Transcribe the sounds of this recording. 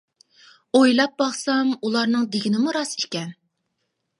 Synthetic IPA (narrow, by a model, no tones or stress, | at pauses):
ojlˠɑp̚bɑχsɑmulˠɑɾnɨŋd̪eɡʲinɪmuɾɑsekʲɛn